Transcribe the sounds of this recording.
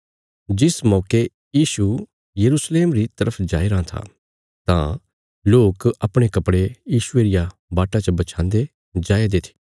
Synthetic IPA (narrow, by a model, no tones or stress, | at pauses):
d͡ʒɪsmɔːke | jiːʃu | jɐɾusleːmɾit̪ɐɾəpʰd͡ʒa̰ːiɾɐãt̪ʰa̰ | t̪ã̰ | loːkɐpɽ̃ekɐpɽejiːʃʊeɾɪja | baːʈat͡ʃəbɐt͡ʃʰãːnd̪e | d͡ʒaːed̪eːt̪ʰi̥ː